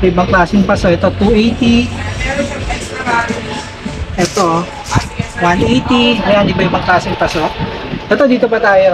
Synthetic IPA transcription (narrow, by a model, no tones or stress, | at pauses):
ebaŋklasɪŋpasɔkɛt̪ot̪uet̪i | ɛt̪o | wanejt̪iajandibaibaŋklasɪŋpasɔʔ̚ | ɛt̪od̪it̪upat̪ajo